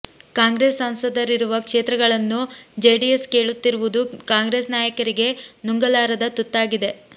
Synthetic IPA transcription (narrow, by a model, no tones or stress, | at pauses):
kaːŋɡɾesɐnsɐd̪ɐɾiɾuʋɐkʂeːt̪ɾɐɡɐɭɐnːud͡ʒeːɖijeske̞ːɭut̪ːiɾuʋud̪ukaːŋɡɾe̞ːsnaːjɐkɐɾiɡe̞nuŋɡɐlaːɾɐd̪ɐt̪ut̪ːaːɡid̪e̞